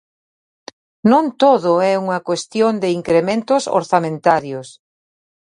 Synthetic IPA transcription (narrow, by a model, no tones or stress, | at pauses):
nõnt̪oðʊɛuŋɐkwest̪jond̪eiŋkɾemẽnt̪ʊso̰ɾθamẽnt̪aɾjos